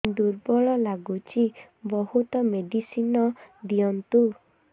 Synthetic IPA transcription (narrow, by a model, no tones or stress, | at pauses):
d̪uɾbɔɭɔlaɡut͡ʃʰi | bɔhut̪ɔmeɖisinɔd̪iɔnt̪u